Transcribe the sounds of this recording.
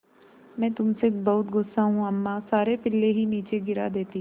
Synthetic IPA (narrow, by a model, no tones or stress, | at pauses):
mɛ̃ːt̪ʊmsebɐɦʊt̪ɡʊsːaɦũɐmːasaːɾepɪlːeɦiniːt͡ʃeɡɪɾa̰d̪eːt̪i